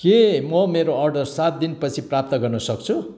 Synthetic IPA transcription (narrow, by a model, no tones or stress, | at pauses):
kemʌmeɾoʌrɖʌrsat̪̚d̪inpʌt͡sʰiprap̚t̪ʌɡʌrnʌsʌkt͡sʰu